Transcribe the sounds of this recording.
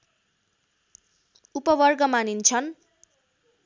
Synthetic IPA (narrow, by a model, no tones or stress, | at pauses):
upʌbʌrɡʌmanint͡sʰʌn